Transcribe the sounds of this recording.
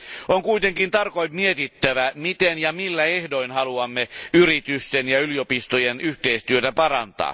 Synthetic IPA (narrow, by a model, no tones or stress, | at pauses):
oŋkuijt̪e̞ŋkint̪ɑrkojmmiet̪it̪ːæʋæmit̪enjɑmilːæehdo̞inhɑluɑmːeyɾit̪yst̪enjɑyliopist̪ojenyht̪eist̪yøt̪æpɑɾɑ̰nt̪ɑ̰ː